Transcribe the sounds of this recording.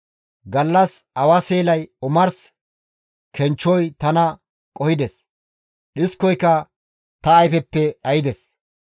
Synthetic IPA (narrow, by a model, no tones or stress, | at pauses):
ɡɐlːɐsɐwɐseːlɐjʊmɐɾs | kʰɛnt͡ʃːɔjt̪ɐnɐ | kʼɔhɪd̪ɛs | ɗɪskɔjkːɐ | t̪ɐːjfɛpːɛɗɐjɪd̪ɛs